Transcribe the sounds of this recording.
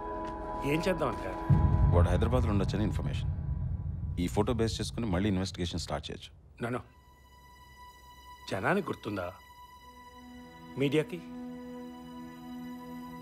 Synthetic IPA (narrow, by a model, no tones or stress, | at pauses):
eːmt͡ʃɛd̪ːaːmɐɳʈaːʋaːɽuɦɐjd̪ɾɐbaːd̪luɳɖɐt͡ʃːɐnɐinpʰɐɾmḛːʂɐn | iːpʰoːʈo̞ːbeːst͡ʃeːsu̥kunimɐɭːiːinʋesʈiɡeːʂɐnsʈa̰ːɾʈ̚t͡ʃeːt͡ʃu̥ | nɐnu | d͡ʒɐnaːnikʲuɾt̪und̪aː | miːɖijaːki